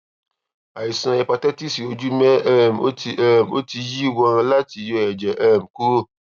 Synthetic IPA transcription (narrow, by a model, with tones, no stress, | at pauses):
a˨i˨sã˧ɛ˧pa˧tɛ˦ti˦˨si˨o˨˧d͡ʒu˦mɛ̃˦ʔɛ˧˨m̩˨o̰˦ti˧ʔɛ˦˧˨m̩˨o̰˦ti˧ji˦wɔ̃˧˦˧ã˧la˦ti˧jo˧ɛ˨d͡ʒɛ˨ʔɛ˧˨m̩˨ku˦